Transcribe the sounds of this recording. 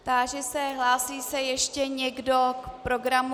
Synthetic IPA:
t̪aʒɛsɛɦlaːsiːsɛjɛʃcɛɲɛɡdo̞kpɾo̞ɡɾam

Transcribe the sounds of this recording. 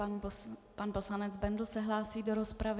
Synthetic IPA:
panpo̞slanɛd͡zbɛndl̩sɛɦlaːsiːdo̞ɾo̞spɾav

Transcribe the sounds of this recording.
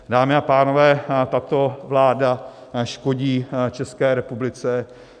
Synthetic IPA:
daːmɪapaːno̞vɛːt̪at̪o̞vlaːdaʃko̞ɟiːt͡ʃɛskɛːɾɛpublɪt͡sɛ

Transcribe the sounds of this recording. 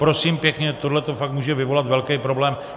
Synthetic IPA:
pɾo̞siːmpjɛkɲɛt̪o̞dlɛt̪o̞fakt̪muːʒɛvɪvo̞lat̪vɛlkɛjpɾo̞blɛːm

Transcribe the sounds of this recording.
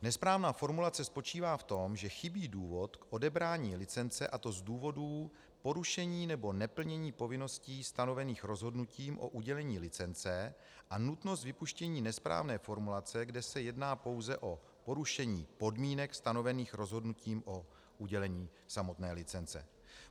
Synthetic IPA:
nɛspɾaːvnaːfo̞ɾmulat͡sɛspo̞t͡ʃiːvaːft̪o̞mʒɛxɪbiːduːvo̞t̪kʔo̞dɛbɾaːɲiːlɪt͡sɛnt͡sɛʔat̪o̞zduːvo̞duː | po̞ɾuʃɛɲiːnɛbo̞nɛpl̩ɲɛɲiːpo̞vɪno̞sciːst̪ano̞vɛniːxɾo̞zɦo̞dnuciːmʔo̞̰ʔuɟɛlɛɲiːlɪt͡sɛnt͡sɛ | ʔanut̪no̞st̪vɪpuʃcɛɲiːnɛspɾa̰ːvnɛːfo̞ɾmulat͡sɛɡdɛsɛjɛdnaːpo̞wzɛʔo̞ | po̞ɾuʃɛɲiːpo̞dmiːnɛkst̪ano̞vɛniːxɾo̞zɦo̞dnuciːmʔo | uɟɛlɛɲiːsamo̞t̪nɛːlɪt͡sɛnt͡sɛ̰

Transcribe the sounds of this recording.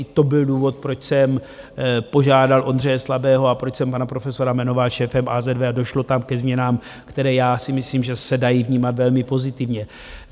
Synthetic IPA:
t̪o̞bɪlduːvo̞t̪̚pɾo̞t͡ʃsɛm | po̞ʒaːdalʔo̞nd̪r̝ɛjɛslabɛːɦo̞apɾot͡ʃsɛmpanapɾo̞fɛso̞ɾamɛno̞valʃɛːfɛmʔazɛdvɛado̞ʃlo̞t̪amkɛzmɲɛnaːm | kt̪ɛɾɛːjaːsɪmɪsliːmʒɛsɛdajivɲiːmat̪vɛlmɪpo̞zɪt̪ɪvɲɛ

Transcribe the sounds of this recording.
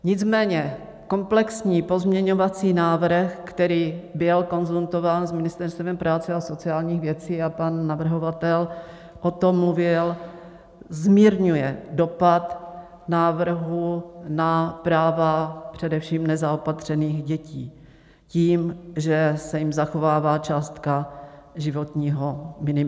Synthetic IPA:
ɲɪt͡smɛːɲɛ | ko̞mplɛksɲiːpo̞zmɲɛɲo̞vat͡siːnaːvr̩xkt̪ɛɾiːbɪlko̞nzunt̪o̞vaːnzmɪnɪst̪ɛɾst̪vɛmpɾaːt͡sɛaso̞t͡sɪaːlɲiːɣvjɛt͡siːapanːavr̩ɦovat̪ɛl | ʔo̞t̪o̞mːluvɪl | zmiːɾɲujɛdo̞pat̪ | naːvr̩ɦunapɾaːvapr̝̥ɛdɛfʃiːmnɛzaopat̪r̝̥ɛniːxɟɛciː | ciːmʒɛsɛjɪmzaxovaːvaːt͡ʃaːst̪kaʒɪvot̪ɲiːɦomɪnɪm

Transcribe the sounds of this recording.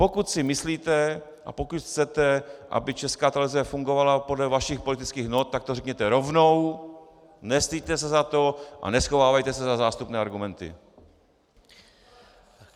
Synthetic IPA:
po̞kut̪sɪmɪsliːt̪ɛ | ʔa̰po̞kut̪xt͡sɛt̪ɛʔa̰bɪt͡ʃɛskaːt̪alvɪzɛfuŋɡovalapo̞dlɛvaʃɪxpo̞lɪt̪ɪt͡skiːɣnot̪̚ːak̚t̪orɛkɲɛt̪ɛɾo̞vnow | nɛst̪ijt̪ɛs̬ɛzat̪o̞ʔa̰nɛsxo̞vaːvajt̪ɛsɛzazaːst̪upnɛːaɾɡumɛnt̪ɪ̰

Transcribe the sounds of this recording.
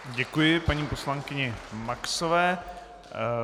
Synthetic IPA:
ɟɛkujɪpaɲiːpo̞slaŋkɪɲɛmaksovɛː

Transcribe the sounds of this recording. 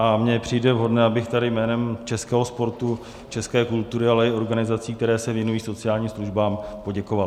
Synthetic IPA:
ʔamɲɛpr̥ijdɛvɦo̞dnɛabɪxt̪adɪjmɛːnɛmt͡ʃɛskɛːɦo̞spo̞ɾt̪u | t͡ʃɛskɛːkult̪uɾɪalɛɪo̞ɾɡanɪzat͡siːk̚t̪ɛɾɛːsɛvjɛnujiːso̞t͡sɪjaːlɲiːmsluʒbaːmpo̞ɟɛkovalɪ

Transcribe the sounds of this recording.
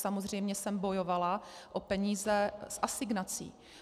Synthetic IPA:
samo̞zr̝ɛjmɲɛsɛmbojovalaʔopɛɲiːzɛsʔasɪɡnat͡sḭː

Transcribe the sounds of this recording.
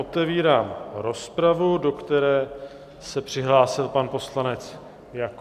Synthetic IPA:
ot̪ɛviːɾaːmɾo̞spɾavudo̞kt̪ɛɾɛː | sɛpr̝̥ɪɦlaːsɪlpanpo̞slanɛt͡s | jak

